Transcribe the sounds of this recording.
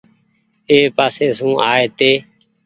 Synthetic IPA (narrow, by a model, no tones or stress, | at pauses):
eːpaːseːsũːʔaːeːt̪eː